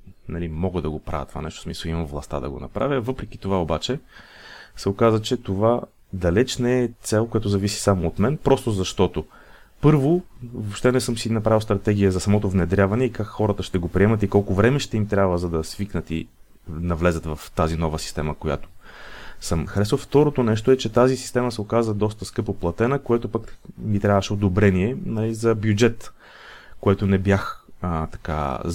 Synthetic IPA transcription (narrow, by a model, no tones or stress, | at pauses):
nɐlimɔɡəd̪ɐɡopɾa̰vʲj̰t̪ːovanɛʃt̪o̥smisəlˠimɐmvlˠɐ̰st̪a̰d̪ɐ̰ɡo̰nɐ̰pɾavʲjəvɤpɾɛk̟i̥t̪ovaobat͡ʃɛ | sɛokazət͡ʃɛt̪ova | d̪ɐlɛt͡ʃnɛɛt̪sɛlˠkojat̪ozɐvisi̥samoːt̪mɛnpɾɔst̪ozɐʃt̪ɔt̪o | pɤɾvovopʃt̪ɛnɛsɤmsinɐpɾavilˠst̪ɾɐt̪ɛɡ̟ʲijəzɐsɐmɔt̪ovnɛd̪ɾʲjavɐnɛikakxɔɾət̪əʃt̪ɛɡopɾʲiɛmət̪ikɔlˠkʊvɾɛmɛʃt̪ɛimt̪ɾʲabvəzɐd̪ɐsviknət̪ḭ | nɐvlɛzət̪vɐft̪azinɔvəsi̥st̪ɛməkoja̰t̪o̥ | səmxɐɾɛsvəft̪ɔɾot̪onɛʃt̪oɛt͡ʃɛt̪azisist̪ɛməsɛokazəd̪ɔst̪əskɤpoplˠɐt̪ɛnəkoɛt̪opakmit̪ɾʲavəʃɛod̪obɾɛniɛnɐlizɐbjud͡ʒɛt̪ | koɛt̪onɛbjaxt̪ɐ̥ka̰